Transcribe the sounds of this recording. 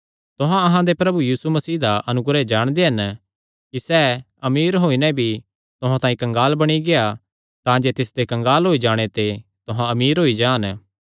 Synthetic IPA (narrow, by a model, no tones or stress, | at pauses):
t̪ʊɦãɐɦãd̪epɾɐbujiːsumɐsiːd̪aʔɐnʊɡɾɛd͡ʒaːɽ̃d̪eɦɐn | kisɛː | ɐmiːɾɦoːinɛ̃bʱi | t̪ʊɦãt̪ãːĩkɐ̃ŋɡaːlbɐɽ̃iɡea | t̪ãd͡ʒet̪ɪsd̪ekɐ̃ŋɡaːlɦoːid͡ʒaːɽ̃et̪e | t̪ʊɦãɐmiːɾɦoːid͡ʒaːn